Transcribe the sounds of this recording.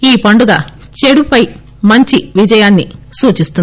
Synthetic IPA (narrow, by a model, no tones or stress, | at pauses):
iːpɐɳɖuɡaːt͡ʃeɽupɐj | mɐɲt͡ʃiʋid͡ʒɐjaːnːḭsuːt͡ʃist̪un